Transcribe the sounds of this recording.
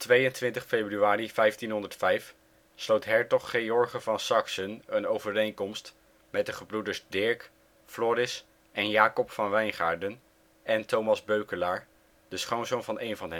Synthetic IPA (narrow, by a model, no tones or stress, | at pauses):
tʋejəntʋɪntəχfejbryaːrifɛjftinɦɔndəɹtfɛjf | slowtɦɛɹtɔχːejɔɹχəvɑnsɑksənənowvəɾejŋkɔmst | mɛt̚dəχəbrudəɹzdɪɹk | flɔːɾɪs | ʔɛnjaːkɔpfɑnʋɛjnχa̰ːɹdən | ɛntowmɑzbøɥkəlaːɹ | d̥əsχownzownvɑnʔejnvɑnɦ